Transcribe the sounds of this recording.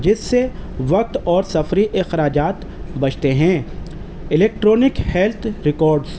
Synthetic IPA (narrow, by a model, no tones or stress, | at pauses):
d͡ʒɪsːeʋɐk̚t̪ɔːɾsɐfɾiʔɪxɾaːd͡ʒaːt̪ | bɐt͡ʃʰt̪eɦɛ̃ː | ɪleːk̚ʈɾɔːnɪkhɛlt̪ʰɾɪkɔːɾɖz